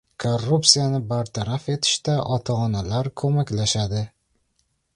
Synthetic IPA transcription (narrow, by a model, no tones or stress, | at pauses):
kʰorːupsijanɪbaɾt̪ʰaɾafe̞t̪ʰɪ̥ʃt̪aʔɒt̪ʰaɒnalaɾkʰɵmakʲlaʃad̪ɪ